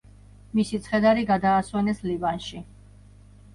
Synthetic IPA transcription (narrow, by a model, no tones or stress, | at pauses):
misit̪sʰχɛd̪aɾiɡad̪aːswɛnɛslivanʃi